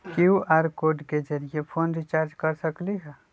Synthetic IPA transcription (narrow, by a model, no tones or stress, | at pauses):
kiuʔaɾkoːɖked͡ʒəɾijepʰoːnɾit͡ʃaːɾd͡ʒkəɾsəkliɦɛ